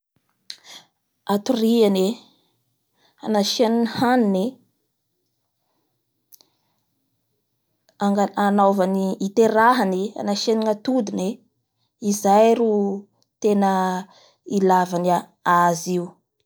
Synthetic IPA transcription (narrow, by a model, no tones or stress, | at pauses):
at̪uriane | a̰naʃeninihanine | aŋɡaanavaniːt̪eɾaɦania̰naʃeniŋat̪ud̪ine | izajɾu | t̪enə | ilavania | aziu